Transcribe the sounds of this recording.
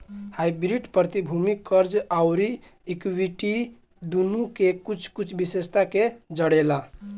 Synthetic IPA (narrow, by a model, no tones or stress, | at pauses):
hajbɾiɖpɾət̪ibʱumikəɾd͡ʒaʊɾiː | kwiʈi | d̪unukekut͡ʃʰkut͡ʃʰbisest̪aked͡ʒəɽela